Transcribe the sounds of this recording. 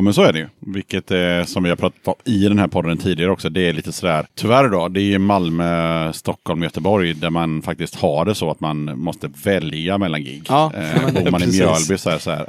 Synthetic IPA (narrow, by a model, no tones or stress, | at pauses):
mɛnsɔæɖɛjɵvɪlkːət̪sɔmvɪhaɾpʰɾɑːt̪ḁt̪ɔmɪd̪ɛnhæːɾpʰɔd̪ːənt̪ʰiːd̪ɪɡaɾɔksɔd̪ɛːɾɭiːt̪əsɔd̪æːɾt̪ʰʏvæɾd̪ɔd̪ɛːɾjɵmalmøst̪ɔkʰːɔlmjœt̪əbɔɾjd̪æɾmanfak̚t̪ɪst̪haɖɛsɔat̪manmɔst̪əvɛljamɛlːanɡɪ̰ɡːbuːɾmanɪmjœɭbɪsɔæːɾsɔhæ̰ːɾ